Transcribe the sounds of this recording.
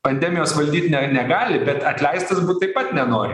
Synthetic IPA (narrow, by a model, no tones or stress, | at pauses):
pɐnʲd̪ʲɛːmʲɪjoːsʋɐlʲd̪ʲiːt̪ʲnʲɛnʲɛɡɑːlʲɪbʲɛt̪ɐt̪ʲlʲɛɪst̪ɐsbuːt̪̚t̪ːɐɪpɐt̪nʲɛnoːɾʲɪ